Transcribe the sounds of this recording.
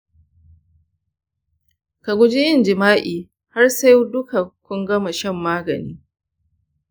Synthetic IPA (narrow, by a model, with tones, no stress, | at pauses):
ka˨ɡʷʊ˦d͡ʒɪ˦jɪ˦˨nd͡ʒɪ˨maː˦ʔiː˨ | ha˦rsa˦jdʊ˦ka˨kʷʊ˦ŋɡɐ˦ma˨ʃɛ˦mːaː˦ɡɐ̰˨niː˦